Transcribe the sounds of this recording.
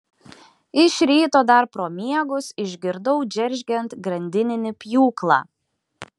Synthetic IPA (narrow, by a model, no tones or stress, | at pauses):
ɪʃʲɾʲiːt̪oːd̪ɐɾpɾoːmʲiɛɡʊsɪʒʲɡʲɪɾd̪ɔʊd͡ʒʲɛɾʲʒʲɡʲɛnt̪ɡɾɐnʲd̪ʲɪnʲɪnʲɪpʲjuːklˠɑ̰ː